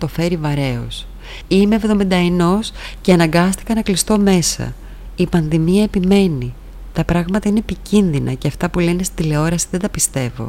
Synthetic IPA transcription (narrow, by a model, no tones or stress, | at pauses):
t̪o̞fe̞ɾivɐɾe̞o̞̰s | ime̞evðo̞mind̪ɐeno̞sceɐnɐŋɡɐst̪i̥kɐnɐklist̪o̞me̞sɐ̰ | ipɐnðimiɐe̞pime̞ni | t̪ɐpɾɐɣmɐt̪ɐineːpicinðinɐ̰ceɐft̪ɐpule̞nest̪id̪ile̞o̞ɾɐsiðend̪ɐpist̪e̞vo̞̰